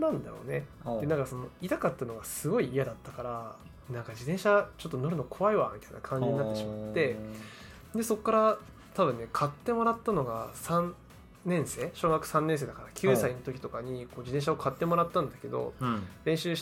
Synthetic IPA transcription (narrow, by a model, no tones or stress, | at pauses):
nãnd̪a̰jo̞̰ne̞d̪enãŋkaso̞no̞it̪akat̪ːanoɡasɨɡo̞iːjad̪at̪ːakaɾa | nãŋkad͡ʑid̪ẽ̞ɰ̃ɕat͡ɕo̞t̪ːo̞no̞ɾɯ̟nokʰo̞βaiβamʲit̪aina̰kʰãɲ̟d͡ʑiɲ̟inat̪eɕimat̪ːe̞ | d̪e̞so̞kːaɾa | t̪aβɯ̟̃nːe̞kʰat̪ːe̞mo̞ɾat̪ːano̞ɡasãn | nẽ̞ɰ̃se̞ːɕo̞ːɡakɯ̟̥sãnːẽ̞s̬e̞ːd̪akaɾakʲʰɨːsaino̞t̪o̞kʲi̥t̪o̞kaɲ̟iko̞ːd͡ʑid̪ẽɕaokʰat̪ːe̞mo̞ɾat̪ːãnd̪ake̞d̪o̞̰ɾẽ̞ɰ̃ɕɨː